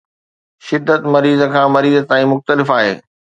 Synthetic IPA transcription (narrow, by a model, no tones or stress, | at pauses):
ʃɪd̪ːət̪mɐɾiːzə̆kʰãːmɐɾiːzət̪aːĩmʊxt̪əlɪfaːɦḛː